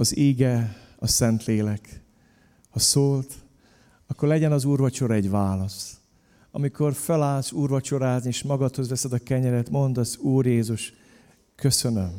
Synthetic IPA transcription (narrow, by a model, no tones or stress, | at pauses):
ɒziːɡɛɒsɛnt̪leːlɛk | hɒsoːlt̪ | ɒkːo̞rlɛɟɛnɒzuːrvɒt͡ʃo̞ɾɛɟʋaːlɒs | ɒ̰miko̞rfɛlaːlsuːrvɒt͡ʃo̞ɾaːznieːʃmɒɡɒt̪ho̞zʋɛsɛd̪ɒkɛɲɛɾɛt̪mo̞nd̪ɒzuːrjeːzuʃ | køsø̞nøm